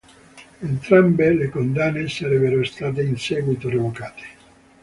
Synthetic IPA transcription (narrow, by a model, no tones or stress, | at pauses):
ent̪ɾambelekond̪anːesaɾɛbeɾost̪aːt̪̬einsɛːɡwit̪orevokaːt̪e̥